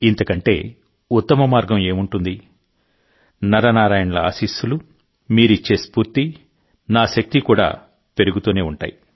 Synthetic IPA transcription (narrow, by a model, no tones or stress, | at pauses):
int̪ɐkɐɳʈe̞̰ː | ut̪ːɐmɐmaːɾɡɐme̞ːmuɳʈund̪i | nɐɾɐnaːɾaːjɐnɐlɐa̰ːsiːsulu | miːɾit͡ʃːe̞ːspuːɾt̪i | naːʃɐk̚t̪ikuːɽa̰ː | pe̞ɾuɡut̪uːne̞ːuɳʈa̰ːji